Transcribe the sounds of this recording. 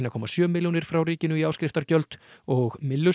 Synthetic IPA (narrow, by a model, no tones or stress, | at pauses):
nakʰɔːmasjœːmɪljunɪɾ̥fɾawɾiːcɪnʏiaːwskɾɪft̪aɾcœlt̪ɔɣmɪlːʏ